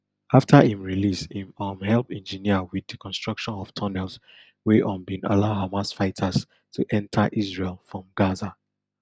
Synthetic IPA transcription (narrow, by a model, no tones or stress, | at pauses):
aftʰahĩmɹilishĩmɔ̃mhɛlˠpɛ̃nd͡ʒiniəwiðikʰɔ̃nstɹ̥ʌkʃɔ̃nɔv̥tʰɔnɛls | weʔɔ̃mbĩna̰laʊɦamasfaɪtʰas | tʰuʔɛ̃ntʰaʔisɹelˠfɹɔ̃mɡaza